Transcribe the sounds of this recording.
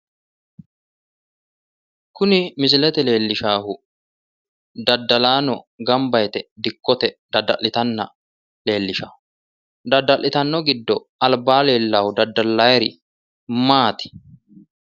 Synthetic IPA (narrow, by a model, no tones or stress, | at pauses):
kʊnɪmɪs̬lɛt̪ɛle̞ːlːɪʃaːhʊ | d̪ɐd̪ːɐlaːnɔ | ɡɐmbɐjt̪ɛd̪ɪkːɔt̪ɛd̪̥ɐd̪ɐʔɪt̪ɐnːɐ̰ | le̞ːlːɪʃaːhʊ | d̪ɐd̪ːɐlːɪt̪ɐnːɔɡɪd̪ːɔ | ɐlbaːle̞ːlːaːhʊd̪ɐd̪ːɐlːɐjɛɾɪ | maːt̪ɪ̥